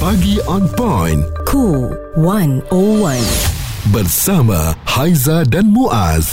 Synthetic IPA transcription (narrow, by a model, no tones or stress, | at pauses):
paɡiʔanpajnkʰu | wɐnowɐnbɐɾsamɐ̰hajzaɖɐnmuʔa̰z